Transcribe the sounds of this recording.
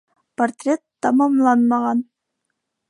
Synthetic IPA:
port̪ʲrʲet̪ːɑmɑmlˠɑnmɑʁɑn

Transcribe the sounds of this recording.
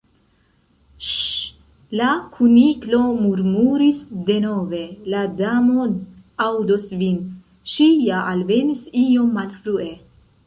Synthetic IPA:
lakʰuniklo̞muɾmuɾisde̞no̞ve̞ladamo̞ | awdosvin | ʃijaʔalve̞nisio̞mːalfɾue̞

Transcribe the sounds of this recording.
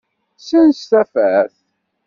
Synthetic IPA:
sənsθæfæθ

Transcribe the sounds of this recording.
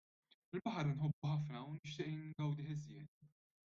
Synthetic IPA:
ɪlbɐħɐɾnħɔbːʊħɐfnɐwnɪʃt̪ɪːʔnɡɐwd̪ɪħɪzjɛːt̪

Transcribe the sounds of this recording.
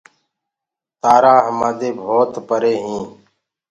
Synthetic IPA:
t̪aːɾãːɦəmaːd̪eːbʱoːt̪pəɾeːɦĩː

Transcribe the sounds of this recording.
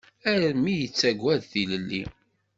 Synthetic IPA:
æɾmijət͡sːæɡʷːæðθiləlːḭ

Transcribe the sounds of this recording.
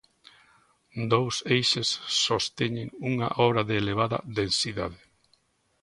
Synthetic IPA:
d̪owsejʃesːost̪eɲeŋuŋɐ̰ʔɔβɾɐðeːleβ̞aðɐ̰ðẽnsiða̰ðɪ

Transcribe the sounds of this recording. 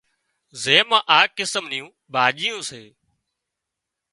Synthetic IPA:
zeːmãːʔaːkɪsəmniːũː | bʱaːʄiːjũːseː

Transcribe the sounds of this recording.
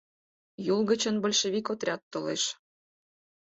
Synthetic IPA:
julɣə̆t͡ɕə̆nbəlʲʃeβikot̪rʲɑt̪ːolḛʃ

